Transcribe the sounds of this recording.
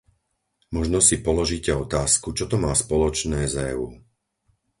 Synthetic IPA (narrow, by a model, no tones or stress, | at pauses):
mɔʒnɔsipɔlɔʒiːcɛɔt̪aːskut͡ʃɔt̪ɔmaːspɔlɔt͡ʃnɛːzɛ̰uː